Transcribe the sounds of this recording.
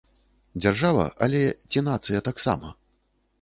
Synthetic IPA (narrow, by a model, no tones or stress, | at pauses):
d͡zʲarʐavɐ̰ʔɐ̰lʲɛt͡sʲinat̪sɨjɐt̪aksa̰mɐ̰